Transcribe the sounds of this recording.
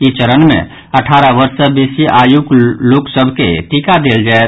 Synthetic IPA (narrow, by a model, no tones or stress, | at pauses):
it͡ʃəɾənmḛ̃ | əʈʰaːɾaʋəɾsəbeːsiʔaːjukloːksəbʱkḛt̪ikad̪eːld͡ʒae